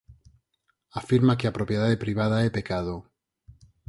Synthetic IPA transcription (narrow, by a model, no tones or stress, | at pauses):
afiɾmakeapɾopjeð̞aðepɾiβ̞að̞aepekaðo